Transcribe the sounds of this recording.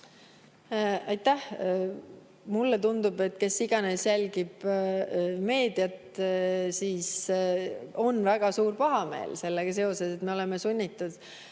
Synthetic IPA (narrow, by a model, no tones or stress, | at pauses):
ɑjt̪ˑːæh | mulːet̪und̪ub̥et̪ːke̞sːiɡ̥ɑne̞sjælʲɡ̥ib̥ | me̞ːd̪̥jɑt̪siːs | o̞nvæɡ̥ɑsuːrpɑɦɑme̞̰ːlse̞lːeɡ̥ɑse̞o̞se̞set̪me̞o̞le̞mesunʲːit̪ːˑud̪̥